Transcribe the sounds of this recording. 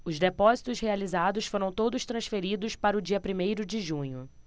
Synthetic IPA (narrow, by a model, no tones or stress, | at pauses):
ʊzd̪epɔzit̪ʊshealizad̪ʊsfoɾɐ̃w̃t̪od̪ʊst̪ɾɐ̃sfeɾid̪ʊspaɾɐʊd͡ʒiɐpɾimejɾʊd͡ʒɪʒũɲʊ